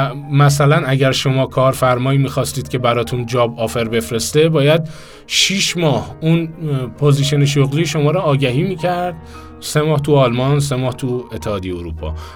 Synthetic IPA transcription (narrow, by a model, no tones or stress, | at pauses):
mæsælænæɡæɾʃo̞mɒːkʰɒːɾfæɾmɒːiːmiːxɒːst̪iːd̪̚cʰe̞bæɾɒːt̪ʰund͡ʒɒːbɒːfeɾbe̞fɾe̞st̪e̞bɒːjæd̪̚ | ʃiːʃmɒːhunpʰoziːʃeneʃ̬oɣliːʃo̞mɒːɾɒːɟæɦiːmiːcʰæɾd̪̥̚ | semɒːht̪ʰuɒlmɒns̬emɒːht̪ʰue̞t̪ʰːehɒːd̪ejeoɾṵːpʰɒ̰ː